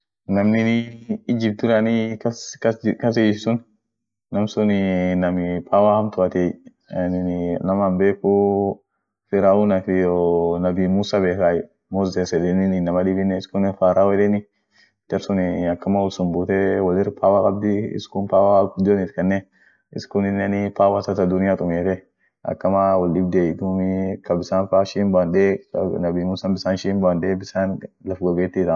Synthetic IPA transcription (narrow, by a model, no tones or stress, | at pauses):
namniniːd͡ʒib̚t̪uɾanikakkas̬eissun | namsuninɐmipʰawahamt̪ʊat̪ɛ | anininamambɛku | fiɾaunafijonabimusabɛsa | mɔzɛsɛdɛnininamadibinɛɪskunɛfaɾawɛdɛni | t̪ɐɾsʊnɪɐkːɐmawɔlsʊnbuːt̪ɛwɐlɪrpʰaːwakʼɐb̚d̪ɪɪ̰skʊnpaːwad̪onɪt̪kɐnːɛ | ɪ̰skʊnɪnːɐnɪpaːwasɐt̪ɐd̪ʊnɪjat̪ʼʊmeːt̪ɛ | ɐ̰kːɐmawɔlɗɪbd̪eɪd̪umɪkɐbɪsaːnfaʃimbanɗenɐbiːmuːsabɪsaːnʃiːmbanɗebɪsaːnlɐfɡɔɡeːt̪ːiːd̪a